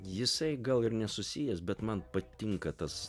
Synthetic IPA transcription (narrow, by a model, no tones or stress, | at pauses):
jɪsɐɪɡɐlˠɪɾnʲɛsʊsʲɪjɛsbʲɛt̪mɐnpɐt̪ʲɪŋkɐt̪ɐs